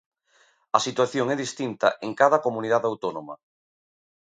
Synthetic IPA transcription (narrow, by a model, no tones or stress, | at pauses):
ɐsit̪waθjoŋɛðist̪int̪ɐ̰ʔeŋkaðɐkomuniðaðawt̪onomɐ̰